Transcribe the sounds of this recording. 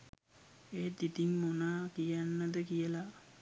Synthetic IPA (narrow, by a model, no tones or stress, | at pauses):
eːd̪it̪iŋmonakijanːəd̪əkijəla